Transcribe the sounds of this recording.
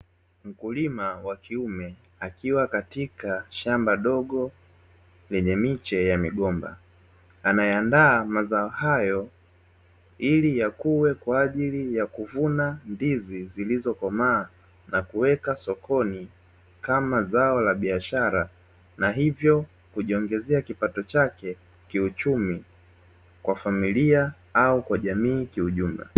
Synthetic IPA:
m̩kulimawakiumɛ | akiwakatikaʃambaɗɔɠɔ | lɛɲɛmit͡ʃɛjamiɠɔmba̰ | anajɛandaːmazaɔhajɔ | ilijakuwɛkwaːʄilijakuvunandizizilizɔkɔmaː | nakuwɛkasɔkʰɔni | kamazaɔlaɓiaʃaɾa | naɦivjɔ | kuʄiɔŋɡɛzɛakipatɔt͡ʃakɛ | kiut͡ʃumi | kwafamilia | aukwaʄamiːkiuʄum̩la̰

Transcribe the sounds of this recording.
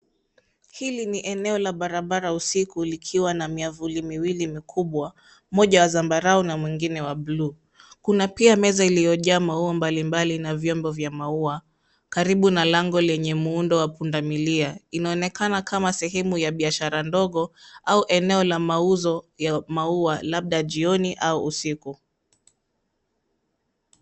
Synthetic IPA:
hiliniʔɛnɛɔlaɓaɾaɓaɾausikulikʰiwanamiavulimiwilimikʰuɓwa | mɔʄawazambaɾaɔnamwiŋɡinɛwaɓlu | kunapiamɛzailijɔʄaːmauambalimbalinavjɔmbɔvjamaua | kaɾiɓunalaŋɡɔlɛɲɛmuundɔwapundamiliainaɔnɛkanakʰamasɛɦɛmujaɓiaʃaɾandɔɠɔauʔɛnɛɔlamauzɔjamaualaɓ̚ɗaʄiɔniʔauʔusiku

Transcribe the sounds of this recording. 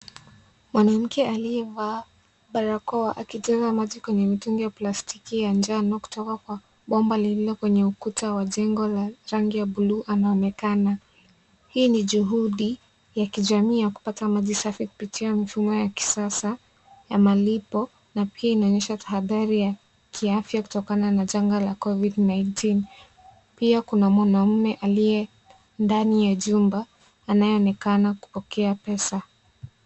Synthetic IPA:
mwanam̩kɛaliɛvaː | ɓaɾakɔaʔakiʄɛzamaʄikwɛɲɛmituŋɡijaplastikijand͡ʒanɔku̥tɔkakwa | ɓɔmbalililɔkwɛɲɛukutawaʄɛŋɡɔlaɾaŋɡijaɓuluːʔanaɔnɛkana | hiːniʄuɦuɗi | jakiʄamiːjaku̥patamaʄisafiku̥pitiamifumɔjaki̥sasa | jamalipɔ | napiainaɔɲɛʃatḁɦaðaɾija | kʰiafjaku̥tɔkananaʄaŋɡalakɔvidnajntʰin | piakunamɔnam̩mɛʔalijɛ | ndanijaʄumbaː | najɛɔnɛkanaku̥pɔkɛapɛsa

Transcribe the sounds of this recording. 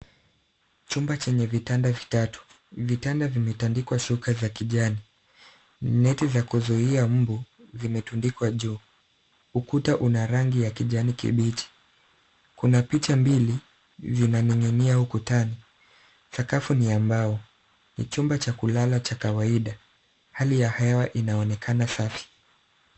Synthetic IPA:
t͡ʃumbat͡ʃɛɲɛvitandavitatu̥ | vitandavimɛtandikwaʃukazakiʄani | nɛtizakuzuiam̩buzimɛtundikwaʄuː | ukutaʔunaɾaŋɡijakiʄanikḭɓit͡ʃi̥ | kunapit͡ʃambili | zinanɛŋɛniahukutani | sakafuniambaɔ | nḭt͡ʃumbat͡ʃakulalat͡ʃakawaiɗa | halijahɛwaʔinaɔnɛkʰanasafi̥

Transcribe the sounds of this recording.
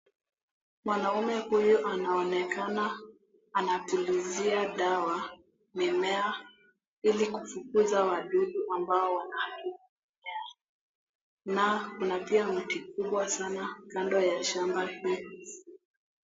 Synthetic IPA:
mwanaumɛhujuʔanaɔnɛkanaː | natuliziaɗawa | mimɛa | ilikufukuzawaɗuɡuʔambaɔwanahakiki | mɛa | nakunapiam̩tikuɓwasanakandɔjaʃambahi

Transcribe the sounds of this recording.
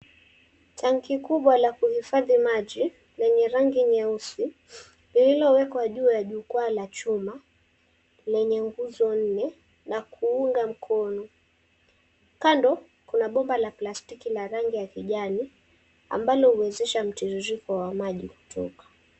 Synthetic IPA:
taŋkikuɓwalakuhifaðimaʄi | lɛɲɛɾaŋɡiɲɛusi | lililɔwɛkwaʄuːjaʄukwalat͡ʃuma | lɛɲɛŋɡuzɔn̩nɛ | nakʰuuŋɡam̩kʰɔnɔ | kandɔ | kunaɓɔmbalaplastikilaɾaŋɡijakiʄani | a̰mbalɔhuwɛzɛʃam̩tɛzuɾikɔwamaʄiku̥tʰɔ̰kḁ

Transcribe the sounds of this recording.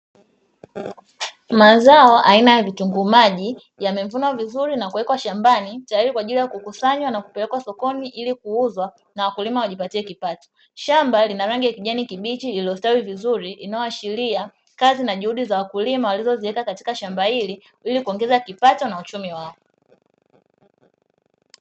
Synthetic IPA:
mazaɔʔainajavituŋɡumaʄi | jamɛɱvunwavizuɾinakuwɛkwaʃambanitajaɾikwaːʄilijakukusaɲwanaku̥pɛlɛkwasɔkɔniʔilikuuzwa | nawakulimawaʄipatiɛkipatɔ̥ | ʃambalinaɾaŋɡijakiʄanikiɓit͡ʃiːliɔstawivizuɾiinaɔaʃilia | kazinaʄuhuɗizawakulimawalizɔziɛkakati̥kaʃambahili | ilikuɔŋɡɛzakipatɔnaut͡ʃumiwaɔ

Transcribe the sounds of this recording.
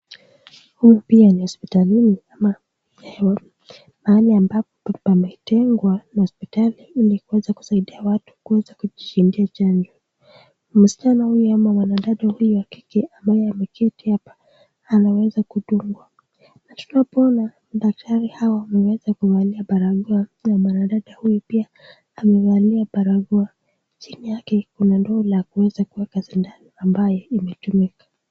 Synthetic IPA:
hujupianihɔspitaliniama | maaliambapɔpɛpamɛtɛŋɡwanahɔspitaliilikuwɛzaku̥saiɗiawatu̥kuɛzakuʄiʃindiat͡ʃaɲd͡ʒɔ | m̩si̥t͡ʃanahujuhamawanaɗaɗɔhujuwaki̥kɛʔambajɛamɛkʰɛtiapḁː | nawɛzakuɗuŋɡwa | natunapɔɔna | ɗak̚tʰaɾihawaamɛwɛzakuwaliaɓaɾaɡɔanamwanaɗaɗahujupiaː | mɛwaliaɓaɾaɡɔa | t͡ʃinijakɛkunandɔlakuwɛzakuwɛkasindaniambajɔimɛtumikḁ

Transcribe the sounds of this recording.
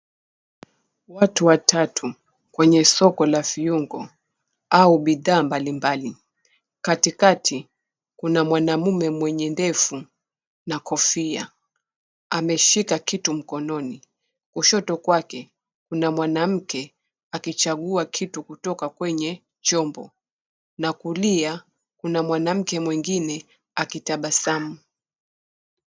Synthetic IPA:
watuwatʰatʰu | kwɛɲɛsɔkɔlafiuŋɡɔ | auɓiðaːmbalimbali | katikatʰi | kunamwanamumɛmwɛɲɛndɛfu | nakɔfia̰ | amɛʃikakitum̩kɔnɔni | kuʃɔtɔkwakɛ | kunamwanam̩kɛ | akit͡ʃaɠuakʰitukutɔkakwɛɲɛ | t͡ʃɔmbɔ̰ | nakulia | kunamwanam̩kɛmwiŋɡinɛ | akitaɓasamu

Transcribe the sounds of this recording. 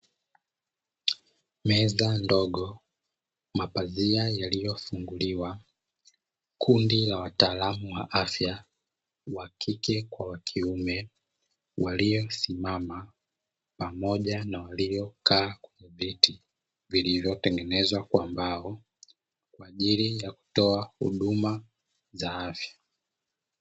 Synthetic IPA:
mɛzandɔɠɔ | mapaziajalijɔfuŋɡuliwa | kʰundilawataːlamuwa̰ʔafja | wakʰikɛkwawakʰiumɛ | wʔalijɔsimama | pamɔʄanawalijɔkaːkwɛɲɛviti | vilivjɔtɛŋɡɛnɛzwakwambaɔ | kwaːʄilijaku̥tɔahṵɗuma | zaafjḁ

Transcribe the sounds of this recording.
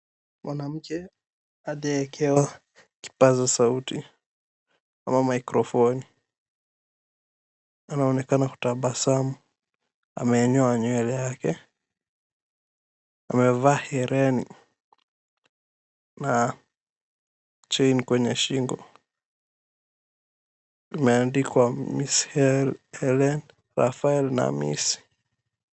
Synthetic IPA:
mwanam̩kɛ | aɗaɛkʰɛwa | ki̥pazasauti | amamaikɾɔfɔni | anaɔnɛkanaku̥taɓasamu | a̰mɛːɲɔaɲwɛlɛjakɛ | amɛvaːhɛɾɛni | na | t͡ʃɛinkwɛɲɛʃiŋɡɔ | imɛandikwamishɛlɛlɛn | ɾa̰faɛlna̰mḭsi̥

